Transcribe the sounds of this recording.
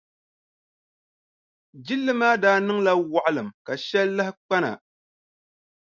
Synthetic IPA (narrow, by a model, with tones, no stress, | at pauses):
d͡ʒi˦lːɨ˦maː˦daː˦nɨ˦ŋla˦wa˨ʔa˦lɨ˨mka˨ʃɛ˦lːɨ˦hɪ˦k͡pa˦na̰˨